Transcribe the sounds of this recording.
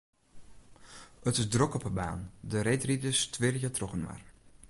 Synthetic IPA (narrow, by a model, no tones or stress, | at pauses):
ətɪsdrɔkɔpəba̰ːndəɾejtridəstʰʋɪləjətrɔkənʋa̰r